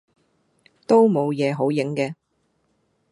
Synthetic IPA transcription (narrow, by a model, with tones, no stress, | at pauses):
t̪o˥wmo˨˧wjɛː˨˧ɦo˨˥wjɪ˨˥ŋkɛː˧